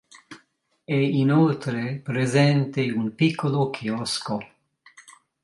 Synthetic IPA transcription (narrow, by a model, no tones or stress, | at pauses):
ɛinolt̪ɾepɾezɛnt̪eumpikʰːolokʰiɔsko